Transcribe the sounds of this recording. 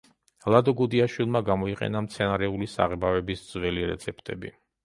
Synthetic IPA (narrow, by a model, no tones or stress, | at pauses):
lˠad̪ɔɡud̪iaʃwilˠmaɡamɔiqʼɛ̰namt̪sʰɛnaɾɛulisa̰ʁɛbavɛbisd̪z̥wɛliɾɛ̰t̪sʰɛp̚ʰt̪ʼɛbḭ